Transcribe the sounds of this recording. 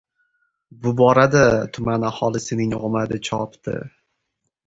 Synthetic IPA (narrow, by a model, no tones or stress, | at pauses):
bʊbɒɾad̪at̪ʰʊmanahɒlˠɪsɪnɪŋʁmad̪ɪt͡ʃʰɒpt̪ʰɪ̰